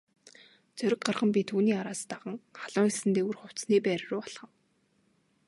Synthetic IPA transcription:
t͡sœɾʲɪ̆k̚ɢarχə̆mp̬ʲit̪ʰuːniːaɾaːst̪aʁə̆ŋχaɮ̥ʊːŋisɘ̆nt̪eːurχʊw̥t͡sniːpæːɾrʊːɔɮχə̆m

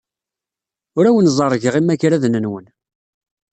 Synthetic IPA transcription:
ʊɾæwənzˤɑɾˤːʝəʁimæçɾæðnənwən

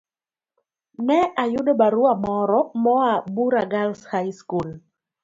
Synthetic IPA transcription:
nɛajʊdɔbaɾʊamɔɾɔmɔabuɾaɡalshajskul

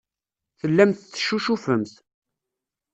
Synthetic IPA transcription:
θəlːæmθθːʃuʃufəmθ

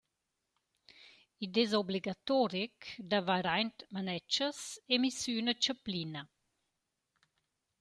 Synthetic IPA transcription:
id̪ezɔbliɡat̪ɔɾikd̪avaɾajnt̪manɛt͡ʃəsemisynət͡ʃəplinɐ

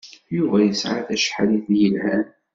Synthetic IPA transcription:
juvæjəsʕaθæʃħaliθjəlhæn

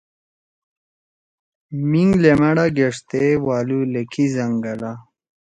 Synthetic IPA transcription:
miŋɡlemɐɽaɡeʂt̪ewaːlulekʰizɐŋɡɐla

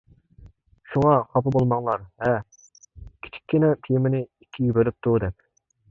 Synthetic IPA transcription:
ʃuŋɑχɑpɨbolˠmɑŋlˠɑɾvɛ | kʲʰi̥t͡ʃʰi̥kʲʰːinɛt̪ʰijmɪnɪikʲʰːiɡʲibølyp̚t̪ʰud̪ɛkʲ

